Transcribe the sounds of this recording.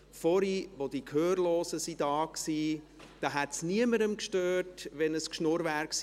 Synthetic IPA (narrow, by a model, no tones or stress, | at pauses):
fɔɾiʋod̥iːkʰhøːɾloːzəsid̥ɑːksiː | d̥ɑːɦɛtsniəməɾəmkʃtøːɾtʋɛnəskʃnʊɾvæːɾks